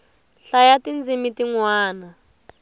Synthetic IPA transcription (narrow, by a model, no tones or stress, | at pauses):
ɬajatind͡zimitiŋwaːna